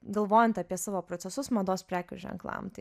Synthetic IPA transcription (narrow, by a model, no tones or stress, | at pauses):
ɡɐlˠʋoːjɛnt̪ɐpʲiɛsɑːʋoːpɾoːt͡s̪sʲɛsʊsmɐd̪oːspʲɾʲæːkʲṵʒʲɛ̰ŋklˠɑ̰mt̪ɐɪ